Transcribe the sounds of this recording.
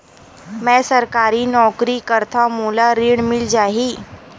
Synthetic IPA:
mɛ̃səɾkaɾiːnɔkɾiːkəɾt̪ʰamulaɾiːɳmild͡ʑaɦiː

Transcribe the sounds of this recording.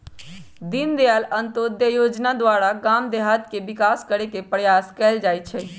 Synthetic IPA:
d̪ind̪ejalənt̪od̪jəjoːd͡ʒnad̪waːɾaɡamd̪eɦat̪kebɪkaːskəɾekepɾəjaːskɛːld͡ʒaːjt͡ʃʰɛ

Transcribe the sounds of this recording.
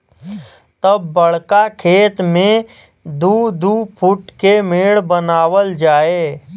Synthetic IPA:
t̪əbːəɽkakʰeːt̪mẽ | d̪uːd̪upʰʊʈkemeːɽbənaːwəld͡ʒaːeː

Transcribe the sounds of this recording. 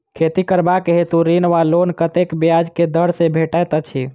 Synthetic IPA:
kʰet̪ikəɾbakeɦet̪uɾinʋalonkət̪ekbijad͡ʒked̪əɽsebʱeʈajt̪ət͡ʃʰi

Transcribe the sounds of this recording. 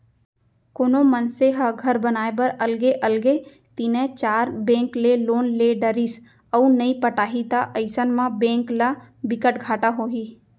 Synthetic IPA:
koːnomənseɦəɡʱəɾbənaːebəɾəlɡeʔəlɡe | t̪iːnẽt͡ʃaːɾbẽːŋkleloːnleɖəɾis | əunəipəʈaːɦit̪aʔəɪsənmãbẽːŋklabɪkəʈɡʱaːʈaɦoːɦiː

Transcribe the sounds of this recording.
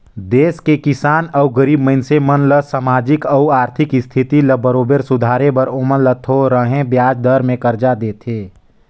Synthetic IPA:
d̪eːskekɪsaːnəuɡəɾiːbməɪnsemənləsamaːd͡ʒɪkəaːɾt̪ʰɪkɪst̪ʰit̪iləbəɾoːbeɾsʊd̪ʱaːɾebəɾomənlət̪ʰoɾəɦẽbjaːd͡ʒd̪əɾmẽkəɾd͡ʒad̪eːt̪ʰeː

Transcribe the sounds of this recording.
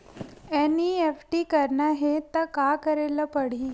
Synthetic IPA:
eniefʈiːkəɾɳaɦet̪əkakəɾeləpəɽ̤iː

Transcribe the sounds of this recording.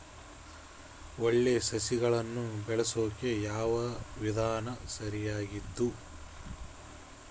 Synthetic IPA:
oɭːe̞sɐsiɡɐɭɐnːubɛɭesoːke̞jaːʋɐʋid̪ʱaːnɐsɐɾijaːɡid̪ːu

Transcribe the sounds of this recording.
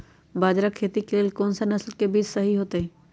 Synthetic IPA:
baːd͡ʒɾakʰːeːt̪ikleːlkoːnsanɐslkebiːt͡ʃsɐɦiɦoːt̪eẽ

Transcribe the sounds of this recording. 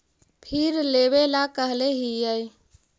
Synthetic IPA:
pʰɪɾleβelakəɦleɦijəj

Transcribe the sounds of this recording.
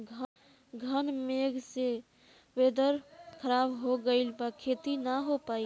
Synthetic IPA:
ɡʱə | ɡʱənmeɡse | beːd̪əɾkʰəɾaːbɦoɡəɪlbakʰeːt̪inəɦopaːi

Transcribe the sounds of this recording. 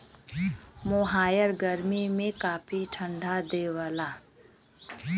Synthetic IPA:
moɦaːjəɾɡəɾmimẽkaːpʰiʈʰə̃ɳɖʱad̪eːwaːlaː

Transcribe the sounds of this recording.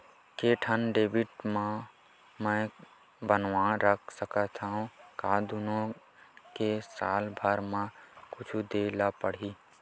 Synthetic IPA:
keʈʰənɖeːbiʈmã | mə̃ | bənʋãɾəkʰsəkət̪ʰaːũkad̪unõ | kesa̰ːlbʱəɾmãkʊt͡ʃʰud̪elapəɽ̤i

